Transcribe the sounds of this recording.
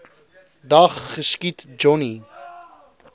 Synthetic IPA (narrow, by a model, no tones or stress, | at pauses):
d̪aχːəʃkit̪d͡ʒoni